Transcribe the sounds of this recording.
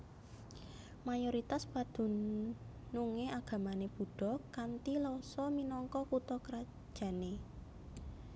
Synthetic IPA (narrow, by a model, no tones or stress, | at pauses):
majoɾit̪aspad̪̥ṳ | nuŋeaɡ̥ä̤maneb̥ṳɖ̥ɔ̤kant̪ilɔsɔminɔŋkɔkut̪ɔkəɾḁ | ʒ̥ä̤ne